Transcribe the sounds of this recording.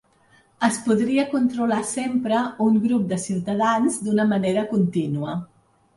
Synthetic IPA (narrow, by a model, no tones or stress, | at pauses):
əspuðɾiəkunt̪ɾulasempɾəuŋɡɾup̚d̪əsiwt̪əð̞anzd̪unəməneɾəkunt̪inuə